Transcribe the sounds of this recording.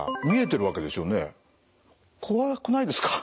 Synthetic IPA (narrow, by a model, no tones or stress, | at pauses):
mʲie̞t̪̬e̞ɾɯ̟βake̞d̪e̞sɨo̞ːne̞ | kʰoβakonaid̪e̞sɨ̥kḁ